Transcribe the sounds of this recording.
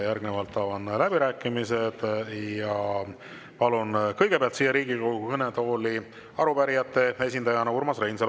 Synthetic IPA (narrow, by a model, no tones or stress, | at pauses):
jærɡ̥ne̞vɑlt̪ːˑɑːvɑnlæbiɾæːkːˑimise̞d̪̥jɑ | pɑlunkɤjɡ̥e̞peɑlt̪siːjːeɾiːɡ̥ikokɤnet̪o̞ːli | ɑɾupæɾijɑt̪ːˑe̞e̞s̬ʲind̪ɑjɑnɑurmɑsrejnsel